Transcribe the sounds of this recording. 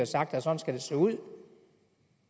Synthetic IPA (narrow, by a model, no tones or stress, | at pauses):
æsɑ̈ɡ̥̚d̥æsɒ̽n̩sɡ̥æd̥e̝seːuð̰ˠ